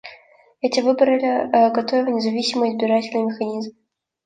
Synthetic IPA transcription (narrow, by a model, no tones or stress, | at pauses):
ɛtʲɪvɨbəɾɨlʲɪɡɐt̪ovʲɪvnʲɪzɐvʲisʲɪməjɪzbʲɪɾatʲɪlʲnɨjmʲɪxɐnʲizm